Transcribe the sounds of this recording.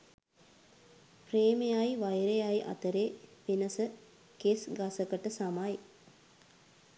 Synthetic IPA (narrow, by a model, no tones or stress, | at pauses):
preːmejajʋajɾejajʔa̰t̪əɾeːpinəsə | kesɡasəkəʈəsamaj